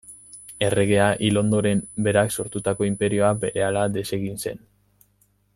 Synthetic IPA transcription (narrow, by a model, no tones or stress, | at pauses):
e̞re̞ɣe̞aʔilo̞nd̪o̞ɾe̞mbe̞ɾakso̞ɾt̪ut̪ako̞impe̞ɾio̞abe̞ɾe̞alad̪e̞se̞ɣinse̞̰n